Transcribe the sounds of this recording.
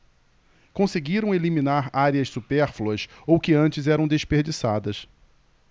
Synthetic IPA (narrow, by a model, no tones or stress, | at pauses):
kõseɡiɾɐ̃w̃elimĩnaɾaɾiɐssupɛɾfluɐsowkɪɐ̃nt͡ʃɪzɛɾɐ̃w̃d̪eʃpeɾd͡ʒisad̪ɐs